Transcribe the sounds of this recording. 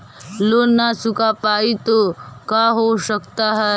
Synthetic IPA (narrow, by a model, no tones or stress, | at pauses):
loːnːasʊkapaːit̪okaɦoʃəkt̪aɦɛ